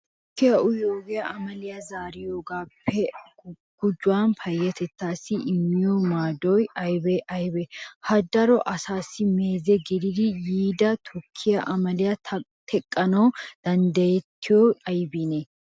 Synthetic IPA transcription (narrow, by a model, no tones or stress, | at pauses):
tt̪ɔkːɪjɐʊjoːɡɪjɐɐmɐlɪjɐzaːɾɪjoːɡaːpːɛ | ɡ̥ʊd͡ʒːʊwaːnfʰɐjːɐt̪ɛt̪ːaːsɪʔɪmːɪjɔmaːd̪ɔjɐjbɛʔɐjbɛhɐd̪ɐɾɔʔɐsaːsɪmeːzɛɡɪd̪ɪd̪ɪjiːd̪ɐt̪ʰʊkʰːɪjɐʔɐmɐlɪjɐt̪ʰɛkʼːɐnɔd̪̥ɐnd̪ɐjɛt̪ːɪjɔɐjbinɛ